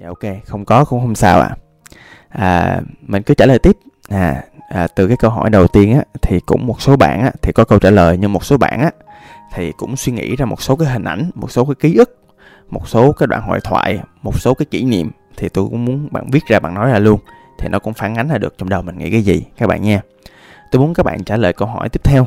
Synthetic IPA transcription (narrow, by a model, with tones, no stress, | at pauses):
a˧ʔo˧wke˧xə˧wŋ͡mkɔ˨˦xə̰˧˥ŋ͡mxə˧wŋ͡msaː˧wʔa̰ː˧˨˩ | ʔəː˨˩mï˨˩ŋ̟kɨ˨˦t͡ɕaː˧˩ləː˨˩jt̪i˦˥p̚ | naː˨˩ʔəː˨˩t̪ɨ˨˩kaː˨˦jkə˧wɦɔ̰˧˩jɗə˨˩wt̪i˧ənʔaː˧˦t̪ʰi˨˩kʊ̰˧˥ŋ͡mmo˨˩t̚so˨˦ɓa̰ː˧˨nʔaː˧˦t̪ʰi˨˩kɔ˨˦kə˧wt͡ɕaː˧˩ləː˨˩jɲɨ˧ŋmo˨˩t̚so˨˦ɓa̰ː˧˨nʔaː˧˦ | t̪ʰi˨˩kʊ̰˧˥ŋ͡mswi˧ŋḭ˧˥zaː˧mo˨˩t̚so˨˦kaː˨˦jɦï˨˩ŋ̟ʔa˧˩jŋ̟mo˨˩t̚so˨˦kaː˨˦jki˨˦ʔɨ˦˥k̚ | mo˨˩t̚so˨˦kaː˨˦˥jɗwa̰ː˧˨nɦɔ̰˧˨jt̪ʰwa̰ː˧˨jmo˨˩t̚so˨˦kaː˨˦jkḭ˧˩nḭ˧˨əm | t̪ʰi˨˩t̪o˧jkʊ̰˧˥ŋ͡mmu˨˦ənɓa̰ː˧˨nvi˦˥ət̚zaː˧ɓa̰ː˧˨nɔ˨˦jzaː˧˩lu˧ən | t̪ʰi˨˩nɔ˨˦kʊ̰˧˥ŋ͡mfaː˨˦nŋa˨˦ŋ̟zaː˧˩ɗɨ˨˩ək̚t͡ɕɔ˧ŋ͡mɗə˨˩wmï˨˩ŋ̟ŋʔḭ˧˥kaː˨˦jzi˨˩ka˦˥k̚ɓa̰ː˧˨ɲaː˧ | t̪o˧jmu˨˦ənkaː˦˥k̚ɓa̰ː˧˨nt͡ɕaː˧˩ləː˨˩jkə˧wɦɔ˧˩jt̪i˦˥p̚t̪ʰɛ˧w